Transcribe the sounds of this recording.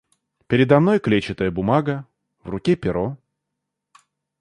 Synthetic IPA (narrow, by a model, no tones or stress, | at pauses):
pʲɪɾʲɪd̪ɐmno̞jklʲet͡ɕɪt̪əjəbʊmaɡə | vrʊkʲepʲɪɾo